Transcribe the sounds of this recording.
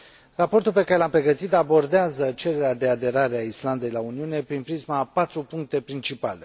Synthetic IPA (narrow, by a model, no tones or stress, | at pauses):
rapo̞rt̪ulpe̞kaɾelampɾe̞ɡət̪it̪abo̞rd̪eazət͡ʃe̞ɾe̞ɾead̪e̞ad̪e̞ɾaɾeaisland̪e̞jlauniune̞pɾinpɾizmapat̪ɾupuŋk̚t̪e̞pɾint͡ʃipale̞